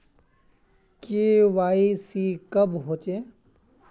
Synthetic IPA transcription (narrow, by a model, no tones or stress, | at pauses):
keːʋaːisiːkəbɦoːt͡ʃẽː